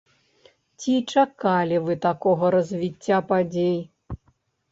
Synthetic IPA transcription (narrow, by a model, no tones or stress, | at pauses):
t͡sʲit͡ʂakalʲivɨt̪akɔɣɐɾɐzʲvʲit͡sʲːapad͡zʲej